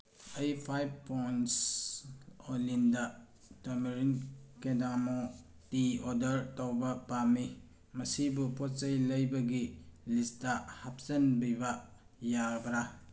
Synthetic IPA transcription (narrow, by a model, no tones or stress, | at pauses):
ejpʰajb̚pojns | olindɐ | tamiɾinkedamo | tiɔdɐɾtawbɐpami | mɐsibupɔt̚t͡ʃɐjlɐjbɐɡilistɐhap̚sɐnbijba | jabɐɾa